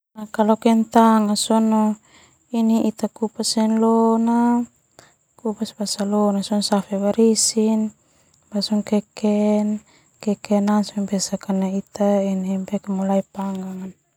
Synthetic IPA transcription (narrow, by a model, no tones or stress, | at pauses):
nakalɔkɛnt̪aŋasɔnɔ | iniʔit̪akupasɛnlɔna | kupasbasalɔnasɔnsafɛwaɾisin | basɔŋkɛkɛn | kɛkɛnansmpɛsakanait̪ainimpɛkɛmulaipaŋɡaŋan